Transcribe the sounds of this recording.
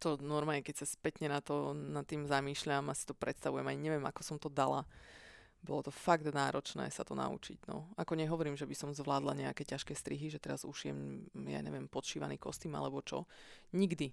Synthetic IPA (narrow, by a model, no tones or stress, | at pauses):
t̪ɔnɔɾmaɛkɛcsaspɛt̪ɲɛnat̪ɔnat̪ːiːmzamiːʃʎamasi̥t̪ɔpɾʔɛt̪st̪aʋujɛmaɲɲɛʋɪɛma̰kɔsɔmt̪ɔd̪ala | bɔlɔt̪ɔfaɡd̪naːɾɔt͡ʃnɛ̰ːsa̰t̪ɔna̰ṵt͡ʃḭɟnɔ̰akɔɲɛɦɔʋɔɾiːmʒɛbisɔmzʋlaːd̪la̰ɲɛakɛːcaʃkɛːst̪ɾiɦiʒɛt̪ɛɾazuʃijɛ̰mja̰ɲɛ̰ʋɪɛmpɔt̪ʃiːʋa̰niːkɔst̪iːma̰lɛbɔt͡ʃɔ̰ɲiɡd̪i